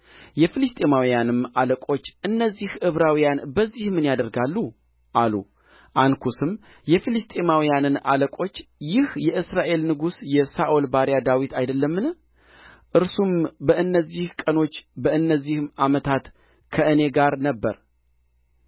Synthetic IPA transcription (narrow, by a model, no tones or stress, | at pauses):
jɛfɨlɨst̪ʼemawijanɨmaləkʼo̞t͡ʃːʔɨnːəzːihʔɨβɾawijanbəzːihmɨnjad̪əɾɡalːu | ʔalṵ | ʔankʰusɨm | jɛfilɨst̪ʼemawijanɨna̰ləkʼo̞t͡ʃːjɪhjɛʔɨsɾaʔe̞lnɨɡusjɛsaʔolbaɾjad̪awit̪ʰajd̪əlːəmːɨn | ʔɨɾsumbəɨnːəzːihkʼəno̞t͡ʃːbəɨnːəzːihɨmʔamət̪ʰat̪ | kʰəɨne̞ɡaɾnəbːəɾ